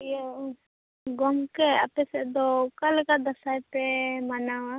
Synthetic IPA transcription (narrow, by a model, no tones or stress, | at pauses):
jɔ | ɡɔmkea̰pesɛd̪ɔkalkad̪əsajpemanawa